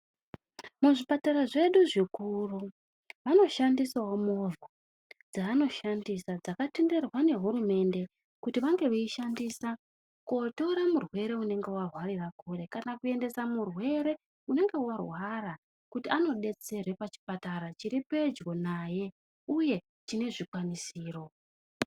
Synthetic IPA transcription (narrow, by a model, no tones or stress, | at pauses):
muʐipataɾaʐe̞ɗuʐikuru | ʋano̞ʃandisawomovo | d͡zaːno̞ʃandisad͡zakatende̞rwane̞ɦuɾume̞nde̞ | kutiʋaŋɡe̞ʋeiʃandisa | koto̞ɾamurwe̞ɾe̞une̞ŋɡe̞warwarirakure̞kanakue̞nde̞samurwe̞ɾe̞ | une̞ŋɡe̞warwara | kutiano̞ɗe̞t͡se̞rwe̞pat͡ʃi̥pataɾat͡ʃiɾipe̞d͡ʒɡo̞naje̞ | uje̞ | t͡ʃine̞ʐikwanisiːro̞